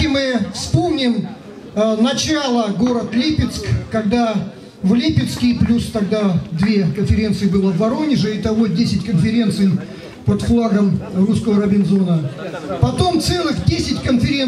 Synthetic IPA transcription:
ɪmɨfspomnʲɪm | nɐt͡ɕalˠəɡoɾət̪lʲipʲɪt̪skkɐɡd̪a | vlʲipʲɪt̪skʲɪjplʲust̪ɐɡ̚d̪ad̪vʲekənfʲɪɾʲe̞nt̪sɨɪbɨlˠəvɐɾo̞nʲɪʐɨit̪ɐvodʲesʲɪtʲkənfʲɪɾʲe̞nt̪sɨj | pət̪flˠaɡəmruskəvəɾəbʲɪnzo̞nəpɐt̪o̞mt̪sɛlˠɨxdʲesʲɪtʲkənfʲɪɾʲe

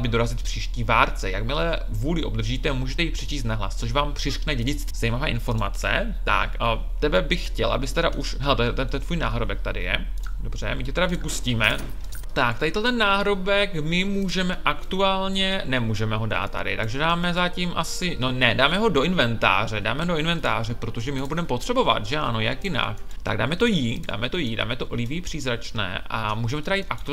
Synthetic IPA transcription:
bɪdo̞ɾazɪt̪fpr̥iːʃciːvaːɾt͡sɛja̰kmɪlɛ | vuːlɪʔobd̪r̩ʒiːt̪ɛmuːʒɛt̪ɛjiːpr̥ɛt͡ʃiːst̪naɦla̰st͡soʃvaːmpr̝̥ɪrknɛɟɛɟɪt͡st̪ːz̥ajmavɛːʔɪnfo̞ɾma̰t͡sɛ̰ | t̪a̰k | t̪ɛbɛbɪxxcɛlʔa̰bɪst̪ɛɾaʔuʃɦɛlɛt̪ɛt̪ɛt̪ɛnt̪vuːjna̰ːɦɾobɛk̚t̪adɪ̰jɛ̰do̞br̝̥ɛ̰mɪcɛt̪ɛɾavɪpusciːmɛ | t̪ak̚t̪adɪt̪ɛlt̪ɛnːaːɦɾobɛkmɪmuːʒɛmɛʔakt̪uaːlɲɛnɛmuːʒɛmɛɦo̞da̰ːt̪ːa̰dɪ̰t̪aɡʒɛdaːmɛzacimʔasɪnonɛdaːmɛɦo̞do̞ʔɪnvɛnt̪a̰ːrɛdaːmɛɦodoɪnvɛnt̪a̰ːr̝ɛpɾot̪oʒɛmɪɦobudɛmɛpo̞t̪r̥ɛbo̞va̰t̪ʒɛanojakjɪna̰kt̪a̰ɡda̰ːmɛt̪o̞jida̰ːmɛt̪o̞jida̰ːmɛt̪o̞ʔlɪviːpr̥iːzɾat͡ʃnɛ̰ːʔa̰muːʒɛmɛt̪ɛɾajiːt̪ʔak̚t̪u

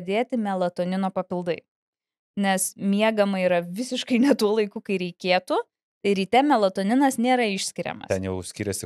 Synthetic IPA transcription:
d̪ʲeːt̪ʲɪmʲɛlˠɐt̪oːnʲɪnoːpɐpʲɪlˠd̪ɐɪ | nʲɛsmʲiɛɡɐmɐiːɾɐʋʲɪsʲɪʃkɐɪnʲɛt̪uɔlˠɐɪkukɐɪɾʲɛɪkʲeːt̪ʊ | t̪ɐɪɾʲiːt̪ʲɛmʲɛlˠɐt̪oːnʲɪnɐsnʲeːɾɐɪʃʲsʲkʲɪɾʲɛ̰mɐ̰t̪ʲɛnjɛʊsʲkʲɪːɾʲɛsʲɪ

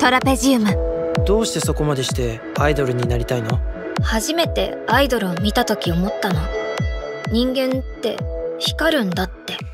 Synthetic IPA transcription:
t̪o̞ɾape̞ʑiɯmãd̪̥o̞ːɕi̥t̪e̞so̞ko̞mad̪e̞ɕi̥t̪e̞ | aid̪o̞ɾɯ̟ɲ̟inaɾʲit̪aino̞ | haʑime̞t̪e̞̰ | aid̪o̞ɾɯ̟omʲit̪at̪o̞kʲio̞mo̞t̪ːano̞ | ɲ̟ĩŋɡẽ̞nt̪ːe̞çi̥kaɾɯ̟̃nd̪at̪ːe̞

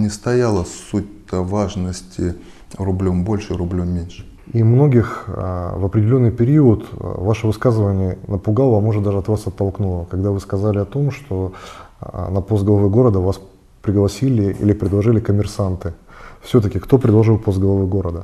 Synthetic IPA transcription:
nʲɪst̪ɐjalˠəsut̚ʲ | əvaʐnəsʲtʲɪ | ɾʊblʲombo̞lʲʂɨɾʊblʲomːʲenʲʂɨ̥ | imno̞ɡʲɪxvəpɾʲɪdʲɪlʲo̞nːɨjpʲɪɾʲiʊt̪vaʂəvɨskazɨvənʲɪjənəpʊɡalˠəmoʐɨt̪d̪aʐɨɐt̪vasɐt̪ːɐlˠknulˠəkɐɡd̪avɨskɐzalʲɪɐt̪o̞mʂt̪ʰo̞ | nɐpo̞st̪̚ɡəlˠɐvɛɡo̞ɾəd̪əvas | pɾʲɪɡlˠɐsʲilʲɪḭlʲɪpɾʲɪd̪lˠɐʐɨlʲɪkəmʲɪrsant̪ɨfsʲɵt̪əkʲɪkt̪o̞pɾʲɪd̪lˠɐʐɨlˠpost̪ɡəlˠɐvɨɡo̞ɾəd̪ə

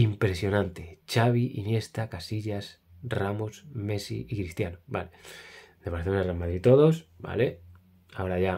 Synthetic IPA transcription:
impɾe̞sjo̞nãnt̪e̞t͡ʃaβ̞iʔḭnje̞st̪akasiʎas | ramosme̞sḭikɾist̪janoba̰led̪̥epaɾeθenerealmaðɾit̪o̞ðo̞sba̰le | ao̞ɾaʝa

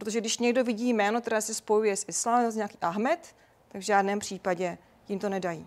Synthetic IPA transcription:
ppɾot̪oʒɛɡdɪʃɲɛɡdo̞vɪɟiːmɛːnot̪ɛɾɛːsɪspo̞jujɛsʔɪslaːmɛmsɲɛaki̥ːʔaɦmɛt̪ː | aɡvʒaːdnɛːmpr̝̥iːpaɟɛ | jɪmt̪o̞nɛdajiː

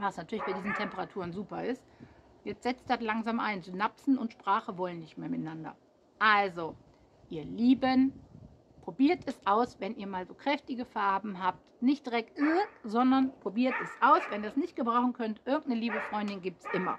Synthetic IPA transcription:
vasnatʰyɐlɪçb̥aɪdiːzn̩tʰɛmpəʁatʰuːʁənzuːpɐɪst | jɛt͡stz̥ɛt͡std̥atlaŋzaːmʔaɪnzonapsn̩ʊntʃpʁ̥aːχəvɔlənːɪçtmeːɐmɪtnandɐ̰ | ʔalzo | ʔiːɐliːbən | pʁ̥obiːɐtʰɛsʔaʊsvɛniːɐmaːlzoːkʁ̥ɛftɪɡəfaɐbm̩ɦaːp̚tnɪçt̚d̥ʁɛk̚tyɪz̥ɔndɐnpʁ̥obiːɐtɛsʔaʊsvɛniɐsnɪçt̚ɡ̥əbʁaʊxn̩kʰœntʔɪɐɡŋ̩tnəliːbəfʁ̥ɔʏndɪnɡiːp̚tsʔɪmɐ̰

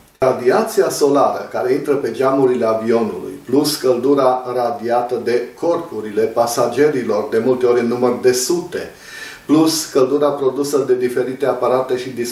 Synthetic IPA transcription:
ad̪iat̪siaso̞laɾə̰kaɾe̞int̪ɾəpe̞d͡ʒamuɾile̞avio̞nṵlṵjpluskəld̪uɾarad̪iat̪əd̪e̞kʰo̞rpuɾile̞pasad͡ʒe̞ɾilo̞rd̪e̞mult̪e̞o̞ɾʲɨnːumərd̪e̞sut̪e̞̰ | pluskəld̪uɾapɾo̞d̪usəd̪e̞d̪ife̞ɾit̪e̞apaɾat̪e̞ʃid̪is

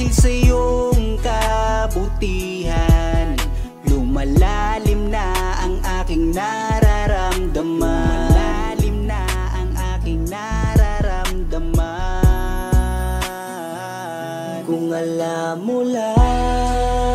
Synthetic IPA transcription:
ɪlsɐjoŋkɐbʊt̪i | ɦan | lʊmɐlalɪmnɐʔɐŋʔaːkɪŋnɐ | ɾaɾamd̪ɐmamɐlalɪmnɐʔɐŋʔaːkɪŋnɐɾaɾɐmd̪ɐma | kʊŋɐlamːʊla

